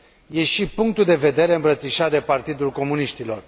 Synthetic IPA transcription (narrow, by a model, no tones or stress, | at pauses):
je̞ʃipuŋk̚t̪uld̪e̞ve̞d̪e̞ɾe̞ɨmbɾət̪siʃat̪̚d̪e̞part̪id̪ulko̞muniʃt̪ilo̞r